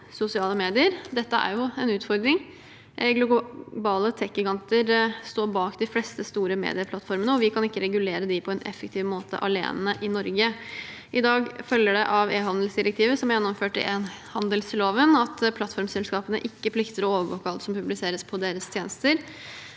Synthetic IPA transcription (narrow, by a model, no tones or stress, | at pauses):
sʊsɪɑːləmeːd̪ɪəɾd̪ɛt̪ːəæ̰ɾjʊɛnʉːt̪fɔɾd̪ɾɪŋ | ɡlʊbɑːlət̪ʰɛkːɪɡɑnt̪əɾst̪oːɾbɑːkd̪ɪflɛst̪əst̪uːɾəmḛːd̪ɪəpʰlɑt̪fɔɾmənəɔʋɪkʰɑnɪkːəɾɛɡʉleːɾəd̪ɪpʰɔɛnʔɛ̰fəkt̪ʰɪːʋmoːt̪ʰə̰ʔɑlḛːnəʔɪnɔɾɡə | ʔɪd̪ɑːɡfœljəɖɛʔɑʋeːɦɑnd̪əl̩sd̪ɪɾɛk̚t̪ʰiːʋəsɔmæɾjɛnːɔmføːʈɪ̰ʔenhɑnd̪əlsloːʋənɑt̪pʰlɑt̪fɔɾmsɛlskɑːpənə̰ʔɪkːəpʰlɪkt̪əɾɔoːʋəɾʋoːkəɑlt̪sɔmpʉblɪseːɾəspʰɔd̪eːɾəst̪ʰjeːnəst̪əɾ